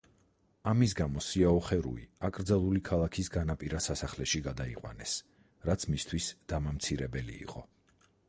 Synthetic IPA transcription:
amis̬ɡamɔsiaɔχɛɾṵḭakʼɾd̪zalˠulikʰalˠakʰisɡanapʼiɾasasaχlɛʃiɡad̪aiqʼwa̰nɛs | ɾat̪sʰmist̪ʰwisd̪̥amamt̪sʰiɾɛbɛlḭːqʼɔ

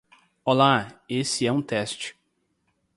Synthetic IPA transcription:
olaesɪɛũt̪ɛst͡ʃɪ̥

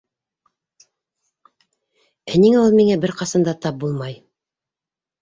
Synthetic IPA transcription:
æniŋæulˠmiŋæbɘɾqɑsɑnd̪ɑt̪ɑp̚bulˠmɑj

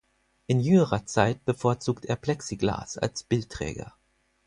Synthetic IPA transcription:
ʔɪnjʏŋəʁɐt͡saɪt̚b̥əfoːɐt͡suːkteːɐpl̥ɛksiɡla̰ːsa̰lsb̥ɪlttːʁ̥ɛ̰ːɡɐ̰

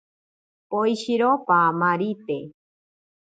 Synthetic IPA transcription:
oiɕiɾopamaɾit̪e

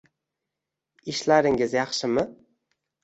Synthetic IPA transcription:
ɪʃlaɾɪŋɪzjɑχʃɪmɪ

